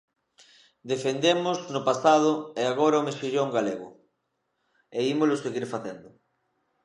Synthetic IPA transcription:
d̪efend̪emʊznʊpasað̞ʊeaɣ̞oɾaomesiʎoŋɡaleɣʊ̰ | eimolʊseɣiɾfaθend̪ʊ

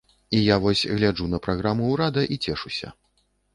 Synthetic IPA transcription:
ijavɔsʲɣlʲad͡ʐunɐpɾaɣɾamuːɾad̪ɐʔit͡sʲɛʂusʲɐ̰

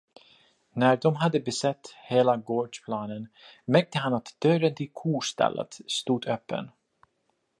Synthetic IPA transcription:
næɾɖ̪ɔmɦad̪ːəbɛsɛt̪ːheːlaɡoːɖʂpʰlɑːnənmæɾk̚t̪əɦanat̪d̪̥œɾənt̪ʰɪlkʰuːʂt̪ɛ̰lːə̰t̪st̪uːd̪øːpːə̰n

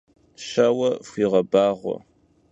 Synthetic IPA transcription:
ɕɐwɐfʷiːʁɐbaːʁʷɔ̰

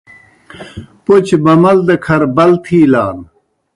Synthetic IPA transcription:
pot͡ɕbɐmɐld̪ɐkʰɐɾbɐlt̪ʰiːlaːn

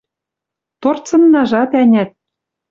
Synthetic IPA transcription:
t̪ort͡sɤ̆nːɑʒɑt̪ænʲæt̪̚

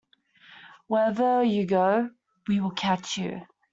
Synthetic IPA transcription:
wɛðəjɨɡoʊ | wiwɪlˠkʰat͡ʃjʉ̰

